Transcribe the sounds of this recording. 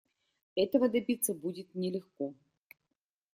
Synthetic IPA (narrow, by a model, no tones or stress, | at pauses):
ɛt̪əvəd̪ɐbʲit̪sːəbudʲɪt̪nʲɪlʲɪxkɔ